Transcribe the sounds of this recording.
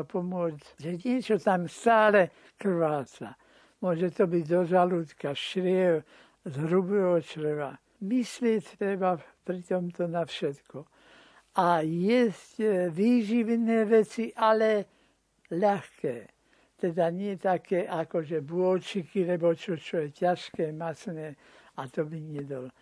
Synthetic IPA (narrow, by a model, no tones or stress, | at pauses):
pɔmʊɔd͡z | ʒɛɲɪɛt͡ʃɔt̪amst̪aːlɛ | kr̩ʋaːt͡sa̰ | mʊɔʒɛt̪ɔbiɟd̪ɔʒalut̪kaʃɾɪɛw | zɦɾubɛːɦɔt͡ʃɾʋa̰ | mislɪɛcʲt̪ɾɛbapɾit̪ɔmt̪ɔnafʃɛt̪kɔ | ajɛscʋiːʒiʋnɛːʋɛt͡siʔalɛ | ʎaxkɛː | t̪ɛd̪aɲɪɛt̪akɛːʔakɔʒɛbuɔlt͡ʃikilɛbɔt͡ʃɔt͡ʃɔjɛcaʃkɛːmat͡snɛː | at̪ɔbiɲɪɛd̪ɔl